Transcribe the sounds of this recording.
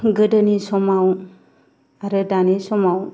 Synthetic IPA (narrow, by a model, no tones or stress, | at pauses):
ɡədənisɔmaw | aɾədanisɔmaw